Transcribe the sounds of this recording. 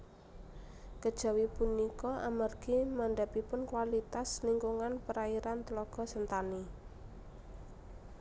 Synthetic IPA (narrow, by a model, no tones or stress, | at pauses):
kəd̥ʒ̥a̤wipunikɔʔamarɡ̥imaɳɖa̤pipʊnkwalit̪asniŋkuŋanpəɾaiɾant̪əlɔɡ̥ɔ̤sənt̪ani